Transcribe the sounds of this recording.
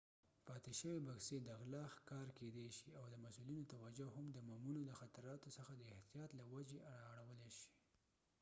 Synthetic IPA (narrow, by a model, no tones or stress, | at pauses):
pɑt̪eʃəwebaxsed̪aɣlɑxkɑɾked̪eʃiawd̪əmasulinot̪awad͡ʒoɦamd̪əmamunoləxat̪aɾɑt̪osəxad̪əɪht̪ijɑt̪lawad͡ʒeʔaɽɑːɽawəleʃi̥